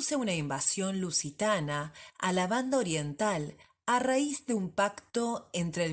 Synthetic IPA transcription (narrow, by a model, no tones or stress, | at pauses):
seunaimbasjo̞nlusit̪anaa̰laβand̪aoɾje̞nt̪al | araizðeumpakt̪o̞ent̪ɾe